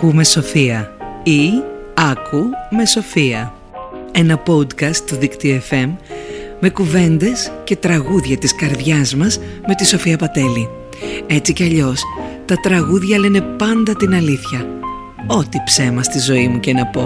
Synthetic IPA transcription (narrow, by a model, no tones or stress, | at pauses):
kume̞so̞fiɐiɐkume̞so̞fiɐ | e̞nɐpo̞d̪kɐst̪ːuðikt̪ioe̞fe̞mː | e̞kuve̞nd̪e̞sce̞t̪ɾɐɣuðʝɐt̪iskɐɾðʝɐzmɐzme̞t̪iso̞fiɐpɐt̪e̞li | e̞t͡siceɐʎo̞st̪ɐt̪ɾɐɣuðʝɐlene̞pɐnd̪ɐt̪inɐliθçɐ | o̞t̪ipse̞mɐst̪izo̞imucenɐpo̞